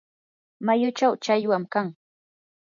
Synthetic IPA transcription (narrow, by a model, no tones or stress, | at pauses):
majʊt͡ʃawt͡ʃajwamkaŋ